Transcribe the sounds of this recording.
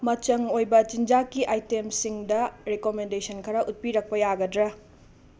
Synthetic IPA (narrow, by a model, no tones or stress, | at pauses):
mɐt͡ʃɐŋojbɐt͡ʃind͡ʒakiʔajtemsiŋdɐɾekomendesʰɐnkʰɐɾɐʔut̚piɾɐk̚pɐjaɡɐdɾɐ